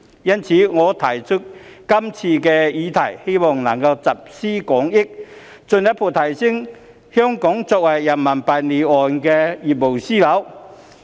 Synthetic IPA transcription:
jɐ˥nt͡sʰi˨˦ŋɔː˨˧t̪ʰɐ˨˩jt͡sʰʊ˥t̚kɐ˥mt͡sʰiː˧kɛ˧jiː˨˧˦t̪ʰɐ˨˩jhe˥jmɔ˨˩ŋnɐ˨˩ŋka˧wt͡sɐ˨p̚siː˥kɔ˨˥ŋi˥k̚ | t͡sʊ˧nja˦˥pʰo˨˩t̪ʰɐ˨˩jsi˥ŋ | hjɔ˥ŋkɔ˨˥ŋt͡sɔː˧k̚wa˨˩jjaɐ˨˩nmɐ˨˩npa˨˩jne˨˩ɔː˨˩nkɛ˧ji˨˩mo˨˩wsiː˥lɐ˨˥w

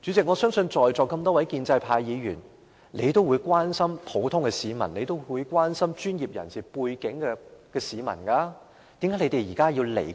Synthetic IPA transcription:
t͡ʃy˨˥t͡sɪ˨k̚ŋɔ˨˧sœː˥ŋsɵ˧nt͡ʃɔː˨jt͡sɔː˨˩kːɐ˧mt̪ɔː˥wɐ˨˥jkiː˧nt͡sɐ˧jpʰaː˧jjiː˨˧jyː˨˩n | le˨˧jt̪o˥wuː˨˧jkʷwaː˥nsɐ˥mpʰo˨˥wt̪ʰʊ˥ŋkɛ˧siː˨˧mɐ˨˩ne˨˧jt̪o˥wwu˨˧jkwaː˥nsɐ˥mt͡ʃyː˥njiː˨p̚jɐ̰˨˩nsiː˨puː˧jkɪ˨˥ŋkɛ˧kɛː˧siː˨˧mɐ̰˨˩nkaː˧ | t̪i˨˥mkːa˨˥le˧˥t̪e˨jiː˨˩kaː˥jiː˧wlḛ˨˩

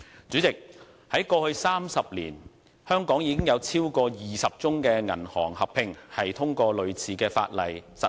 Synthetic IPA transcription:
t͡syː˨˥t͡sɪ˨k̚ | hɐ˨˥jkɔː˧hɵ˧ɥsaː˥msɐ˨p̚lḭː˨˩n | hœː˥ŋkɔː˨˥ŋjiː˨˥kɪ˥ŋjɐ˨˧wt͡sʰiː˥wkɔː˧jiː˨sɐ˨p̚t͡sʊ˥ŋkɛː˧ŋɐ̰˨˩nhɔː˨˩ŋhɐ˨p̚ʰɪ˧ŋhɐ˨jt̪ʰʊ˥ŋkɔː˧lɵ˨˧ɥt͡sʰiː˨˧kɛː˧fa̰ː˧t̚lɐ˨jsɐ˨

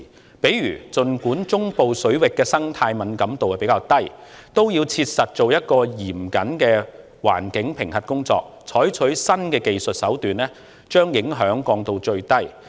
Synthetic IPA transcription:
pe˨˥jɥyː˨˩t͡sɵ˨nkuː˨˥nt͡sʊ˥ŋpo˨wsɵ˨˥ɥwɪ˨kːɛː˧sɐ˥ŋt̪ʰaː˧jmɐ˨nkɐ˨˥mt̪o˨wɛ˨˩pe˨˧˥jkaː˧wt̪ɐ˥jt̪o˥wjiː˧wt͡sʰiː˧t̚sɐ˨t̚t͡so˨wjɐ˥t̚kɔː˧jiː˨˩mkɐ˨˥nkɛː˧ | wa̰ː˨˩nkɪ˨˥ŋpʰɪ˨˩ŋhɐ˨t̚kʊ˥ŋt͡sɔ̰ː˧k̚t͡sʰɔː˨˥jt͡ʃʰɵ˨˥ɥsɐ˥nkɛː˧ke˨jsɵ˨t̚sɐ˨˥wt̪yː˨nlɛː˥ | t͡ʃœː˥ŋjɪ˨˥ŋɦœː˨˥ŋkɔː˧ŋt̪o˧wt͡ʃɵ˧ɥt̪ɐ˥j

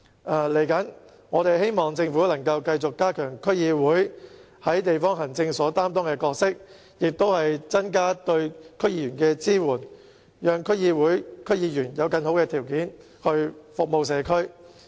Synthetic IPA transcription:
ʔaː˨˩le˨˩jkɐ˨˥n | ŋɔː˨˧t̪e˨jhe˥jmɔː˨˩ŋt͡sɪ˧ŋfuː˨˥lɐ˨˩ŋkɐ˧wkɐ˧jt͡sʊ˨kːaː˥kʰœː˨˩ŋkʰɵ˥ɥjiː˧wuː˨˥j | hɐ˨˥jt̪e˨jfɔː˥ŋɦɐ˨˩ŋt͡sɪ˧ŋsɔː˨˥t̪aː˥mt̪ɔː˥ŋkɛː˧kɔː˧k̚sɪ˥k̚ | jɪ˨k̚t̪o˥whɐ˨jt͡sɐ˥nkaː˥t̪ɵ˧ɥkʰɵ˥ɥjiː˧jyː˨˩nkɛː˧t͡siː˥wuː˨˩n | jœː˨˧ŋkʰɵ˥ɥjiː˧wuː˨˥jkʰɵ˥ɥjiː˧jyː˨˩njɐ˨˧wkɐ˧nɦo˨˥wkɛː˧t̪ʰiː˨˩wkiː˨˥n | hɵ˧ɥfʊ˨k̚mo˨ws̬ɛː˨˧kʰɵ˥ɥ

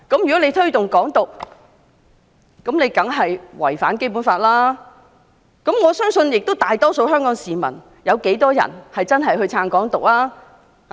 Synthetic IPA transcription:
kɐ˨˥mjy˨˩kɔ˨˥ne˨˧jt̪ʰɵ˥ɥt̪ʊ˨ŋkɔː˨˥ŋt̪ʊ˨˩k̚ | kɐ˨˥mne˨˧jkɐ˨˥ŋɦɐ˨jwɐ̰˨˩jfaː˨˥nke˥jp̬u˨˥nfaː˧t̚laː˥ | kɐ˨˥mŋɔː˨˧sœː˥ŋsɵ˧njɪ˨k̚t̪o˥wt̪aː˨jt̪ɔː˥so˧wɦœː˥ŋkɔː˨˥ŋsiː˨˩mɐ̰˨˩n | jɐ˨˧wke˨˥jt̪ɔː˥jɐ̰˨˩nhɐ˨jt͡sɐ˥nɦɐ˨˩jɦɵ˧ɥt͡sʰaː˧ŋkɔː˨˥ŋt̪ʊ˨k̚laː˥

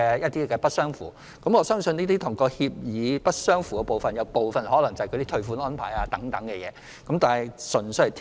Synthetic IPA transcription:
jɐ˥t̪̚iː˥kɛː˧pɐ˥t̚sœː˥ŋfṵː˨˩ | kɐ˨˥mŋɔː˨˧sœː˥ŋsɵ˧niː˥t̪iː˥t̪ʰʊ˨˩ŋkɔː˧hiː˧p̚jiː˨˧pɐ˥t̚sœː˥ŋfuː˨kɛː˧po˨wfɐ˨njɐ˨˧wpo˨wfɐ˨nhɔː˨˥lɐ˨˩ŋt͡sɐ˨kʰt̪iː˥t̪ʰɵ˧ɥfuː˨˥nɔː˥npʰa̰ː˨˩jaː˧t̪ɐ˨˥ŋt̪ɐ˨˥ŋkɛ˧jɛː˨˧ | kɐ˨˥mt̪aː˨nhɐ˨jsɵ˨˩nsɵ˧˩t̪ʰ

